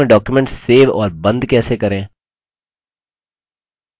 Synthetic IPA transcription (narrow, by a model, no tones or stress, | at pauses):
ẽɖɔːkjumɛ̃ɳʈsːeːʋɔ̰ːɾbɐ̃nd̪kɛːsekɐɾẽː